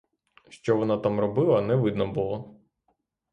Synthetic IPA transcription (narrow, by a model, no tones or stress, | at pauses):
ʃt͡ʃɔʋɔnɑt̪amrɔbɪlˠɐnɛʋɪd̪nɐbʊlˠɔ